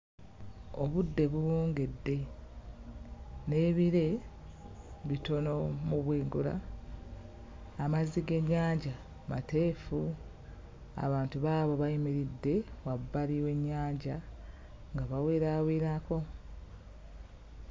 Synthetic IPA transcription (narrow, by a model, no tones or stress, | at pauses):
oβudːe̞βuwoːŋɡe̞dːe̞ | ne̞ːβiɾe̞ | βito̞no̞muβweːŋɡula̰ | maziɡe̞ɲːaːɲɟa | mate̞ːfu | a̰βaːntuβaːβo̞βajimeɾidːe̞wabːaliwe̞ɲːaːɲɟa | ŋɡaβawe̞ːɾaweːɾako̞